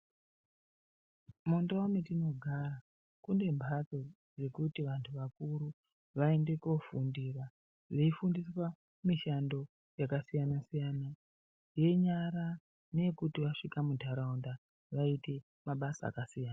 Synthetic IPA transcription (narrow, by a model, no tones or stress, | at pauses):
mondawomitino̞ɡʱara | kunde̞mbʱat͡so | ʐe̞kutiʋantʰuʋakuɾu | ʋae̞nde̞ko̞fundira | ʐeifundiswa | miʃando̞ | jakasijanasijana | je̞ɲaɾa | ne̞kutiʋaʂikamudʱaɾaunda | ʋaite̞ | maɓasa̰ːkasijaːna